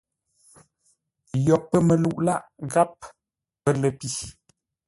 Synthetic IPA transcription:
jɔ˨pːə˦mə˨lu˦˨ʔla˦ʔɣa˦p̚ | pə˦lə˨pi˨

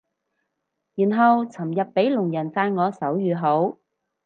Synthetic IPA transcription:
jiː˨˩nɦɐ˨wt͡sʰɐ˨˩mjɐ˨pːe˨˥jlʊ˨˩ŋjɐ˨˩nt͡saː˧nŋɔː˨˧sɐ˨˥wjyː˨˧ɦo˨˥w

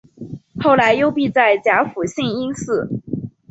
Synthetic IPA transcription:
xo˥˩ʊla˧˥ɪjo˥ʊpi˥˧t͡sa˥˩ɪt͡ɕja˧˥fu˨˩ɕi˥˩ni˥nsɹ̩˥˩

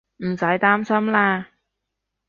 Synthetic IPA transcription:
m̩˨˩sɐ˨˥jt̪aː˥msɐ˥mlaː˧

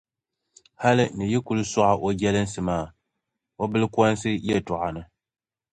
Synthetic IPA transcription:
ha˦lɨ˦nɨ˨ji˦ku˨˦lɨ˦sɔ˦ʔa˨ʔo˦d͡ʒɛ˦lɨ˦n̩˦sɨ˨maː˦˨ | o˦bɨ˦lɨ˦kʷɔ˦n˦sɨ˦jɛ˦˨tɔ˨ʔa˨nɨ˦

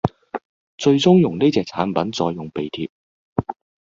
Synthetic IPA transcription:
t͡ʃɵ˧ɥt͡sʊ˥ŋjʊ˨˩ŋne˥t͡sɛː˨˧k̚t͡sʰaː˨˥npɐ˨˥nt͡sɔː˧jʊ˨˩ŋpe˨jt̪ʰiː˧p̚

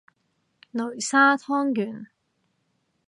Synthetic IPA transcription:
nɵ˨˩ɥsaː˥t̪ʰɔː˥ŋjyː˨˩n

